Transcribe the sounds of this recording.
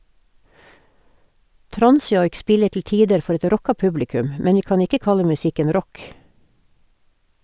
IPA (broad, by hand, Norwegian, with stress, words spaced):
ˈtɾɑnˌsjɔʏk ˈspɪlə tl̩ ˈtiːdəɾ ˈfɔɾ ˈɛt ˈɾɔkɑ ˈpʉblɪˌkʉm ə ˈmɛn ˈʋiː ˈkɑːn ˈɪkə ˈkɑlə mʉˈsɪkən ˈɾɔk